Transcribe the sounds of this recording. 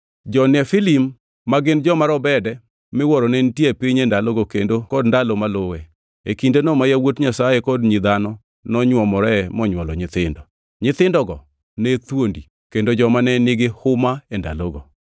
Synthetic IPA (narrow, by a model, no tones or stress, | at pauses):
d͡ʒɔnɛfilimː | aɡɪnd͡ʒɔmaɾɔbɛdɛ | mɪwɔɾɔnɛntjepiɲendaloɡokendokɔdndalomalowɛ | ekindenɔmajawotɲasajekɔdɲid̪anɔ | nɔɲwɔmɔɾɛmɔɲwɔlɔɲɪt̪ɪndɔ | ɲɪt̪ɪndɔɡɔ | nɛt̪wondi | kendod͡ʒɔmanɛnɪɡɪhʊmaenda̰loɡɔ